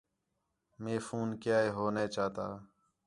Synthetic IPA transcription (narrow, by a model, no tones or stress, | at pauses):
meːfuːnkjaːeːɦoːneːt͡ʃaːt̪a̰ː